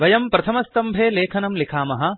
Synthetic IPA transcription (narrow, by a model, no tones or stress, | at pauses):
ʋɐjɐmpɾɐt̪ʰɐmɐst̪ɐmbʱeːleːkʰɐnɐmlikʰaːmɐɦɐ̆